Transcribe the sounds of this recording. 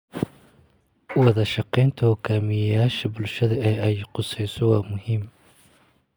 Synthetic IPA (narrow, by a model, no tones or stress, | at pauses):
wɑðɐʃɑqɛjnt̪ʰɐhɔɡʰaːmɪjɐjaːʃɐbʊlʃɐðɐɛːɐjɪqʊsɛjsɔwɑːmʊɦiːm